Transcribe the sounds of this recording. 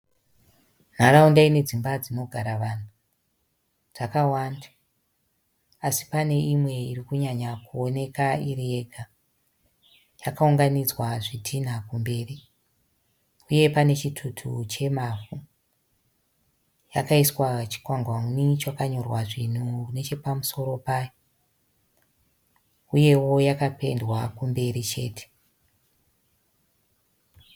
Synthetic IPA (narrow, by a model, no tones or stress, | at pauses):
n̤aɾaundaine̞d͡zimbad͡zino̞ɡʱaɾaʋan̤u | d͡z̥akawanda | asi̥pane̞imwe̞irikuɲaɲakuo̞ne̞kairie̞ɡʱa | jakauŋɡanid͡zwaʐitʰin̤akumbe̞ːri | uje̞pane̞t͡ʃitʰutʰṵt͡ʃe̞mafu | ja̰kaiswat͡ʃi̥kwaŋɡwanit͡ʃakaɲo̞rwaʐin̤ukune̞t͡ʃe̞pamuso̞ɾo̞pajo | uje̞wo̞jakape̞̰ndwakumbe̞ɾit͡ʃe̞̰ːte̥